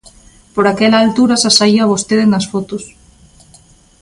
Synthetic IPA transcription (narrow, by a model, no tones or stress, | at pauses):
poɾakelaːlt̪uɾasasaiaβost̪eðenasfot̪os